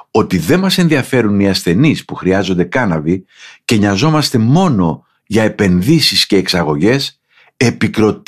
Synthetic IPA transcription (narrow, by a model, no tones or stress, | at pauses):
o̞t̪iðe̞mɐse̞nðiɐfe̞ɾuniɐsθe̞nispuxɾiɐzo̞nd̪e̞kɐnɐvice̞ɲɐzo̞mɐst̪e̞mo̞no̞ | ʝɐe̞pe̞nðisisce̞ːksɐɣo̞ʝe̞s | e̞pikɾo̞t̪